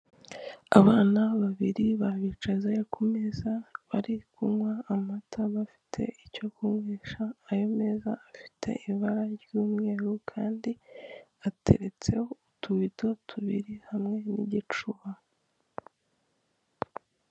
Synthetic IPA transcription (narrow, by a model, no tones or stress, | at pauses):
a̰βaːnaβaβiɾiβaβit͡ʃazekʰumezaβaɾikʰumŋwaːmatʰaβafi̥tʰe̞̰ʔico̞kumweːʃaːjo̞meːzaːfi̥tʰe̞̰ʔiβaɾajuːmŋe̞ːɾukʰaːndiatʰe̞̰ɾe̞t͡se̞houtʰuβitotʰuβḭɾihamŋe̞nḭɟit͡ʃuβa